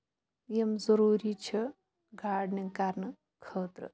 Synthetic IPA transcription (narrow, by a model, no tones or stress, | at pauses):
jemzɐɾuːɾit͡ʃʰɐ | ɡʱaːɖnikaɾnɨ | kʰəːt̪ɾə̰